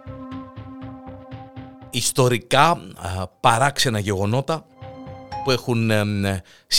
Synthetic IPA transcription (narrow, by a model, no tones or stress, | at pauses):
ist̪o̞ɾikɐ | pɐɾɐkse̞nɐʝe̞ɣo̞no̞t̪ɐ | pue̞xun | s